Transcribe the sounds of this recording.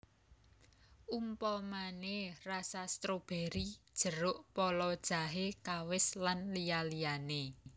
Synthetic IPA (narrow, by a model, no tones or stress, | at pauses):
ʔumpɔmanerasast̪ɾob̥ɛ̤ɾid̥ʒ̥ə̤ɾʊʔpɔlɔd̥ʒ̥a̤ɦekawɪslanlijalijane